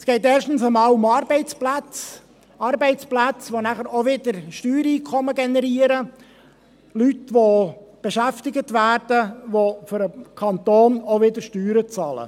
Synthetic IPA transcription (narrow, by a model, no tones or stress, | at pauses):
sɡ̥ɛɪt̪ɛːrʃtən̩səmɑːlʊmɑːɾbɛɪt͡splæt͡s | ɑːɾbɛɪt͡splæt͡sʋonæχəɾoʋɪd̪əɾʃtyːɾiːkʰɔməɡɛnɛɾiːəɾə | lytʋob̥eʃæft̪ɪɡət̪ʋæːrd̥əʋoføɾəkʰɑnt̪oːnoʋɪd̪əɾʃtyːɾət͡sɑːlə̰